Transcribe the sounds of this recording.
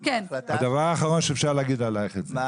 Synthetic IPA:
kenad̪avaʁaːχaʁo̞nʃeːfʃaʁlaɡid̪alajχeze

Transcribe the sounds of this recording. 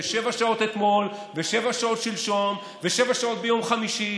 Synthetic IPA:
eʃe̞vaʃao̞t̪et̪mo̞l | veʃe̞vaʃao̞t̪ʃilʃo̞n | veʃe̞vaʃao̞t̪̚be̞jo̞mχamiʃi

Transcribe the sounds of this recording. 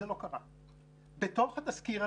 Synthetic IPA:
elo̞kaʁa | bet̪oχat̪askiʁa

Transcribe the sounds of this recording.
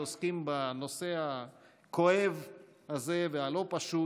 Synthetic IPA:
oskimbano̞se̞ha | ko̞ev | haze̞vealo̞paʃu

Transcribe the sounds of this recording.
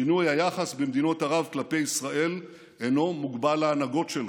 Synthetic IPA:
inujajaχasbemd̪ino̞t̪aʁavklape̞jisʁaʔe̞l | eno̞muɡbalaːnaɡo̞tʃel

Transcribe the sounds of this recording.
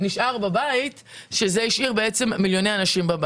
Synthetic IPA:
niʃʔaʁbabait | ʃezeiʃʔiʁbeet͡se̞mːiljo̞neanaʃimbab

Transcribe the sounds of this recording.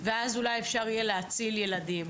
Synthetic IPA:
veazulajefʃaʁijeleat͡silje̞ladim

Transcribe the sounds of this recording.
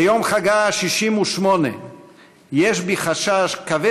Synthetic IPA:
jomχaɡaʃiʃimuʃmo̞nḛ | jeʃbiχaʃaʃkave

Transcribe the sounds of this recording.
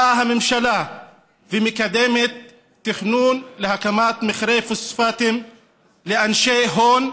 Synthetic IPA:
aɦamemʃala | vemekad̪emet̪ː | iχnunleɦakamat̪meχɾefusfat̪im | leanʃeɦon

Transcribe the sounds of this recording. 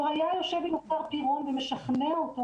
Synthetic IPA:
hajajoʃevimot͡saʁpiʁomvemeʃaχneot̪o

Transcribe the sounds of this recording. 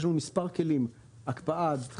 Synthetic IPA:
ʃ̬numispaʁkelim | akpaʔad̪

